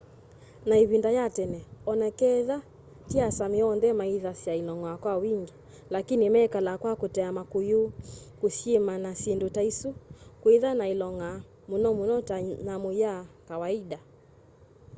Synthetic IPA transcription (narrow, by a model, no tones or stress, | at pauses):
naiβindajatɛnɛɔnɛkɛða | tiasamiɔndɛmaiðasiailɔŋɔakwawiŋɡi | lakinimɛkalakwakutɛamakujukusjemanasindutaisukwiðanailɔŋa | munɔmunɔtanamujakawaiɗa